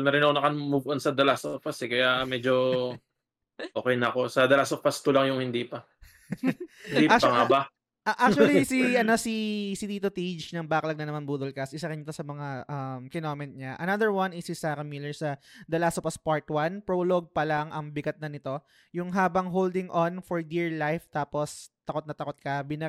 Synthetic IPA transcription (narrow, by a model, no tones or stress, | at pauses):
nɐɾɪnonɐkɐnmuvʔonsɐd̪ɐlasopɐsɛkɐjamɛd͡ʒo | ʔoːkɛjnɐɐko̞sɐd̪ɐlasopɐst̪ʊlɐŋjʊŋhɪnd̪ipɐ | hɪnd̪iak̚pɐŋaba | ʔɐʔakt͡ʃuɐlisiɐno̞sisit̪iːt̪ot̪id͡ʒnɐŋbaːkɐlɐɡ̚nɐnɐmanbuːd̪olkɐsʔɪsɐɾɪnɪt̪o̞sɐmɐŋaʔɐmkɪnoːmɛnt̪̚ɲaʔɐnɐd̪əɹwɐnɪsɪsaːɾɐmilɛɹsɐd̪ɐlaːsopɐspaɹt̪wanpɹoloɡ̚pɐlaŋɐŋbɪɡɐt̪̚nɐnɪt̪o̞ | jʊŋɦaːbɐŋɦowld̪ɪŋʔonfɔɹd̪iɹlajft̪aːpo̞st̪ɐkot̪nɐt̪ɐkot̪̚kɐbɪnɐ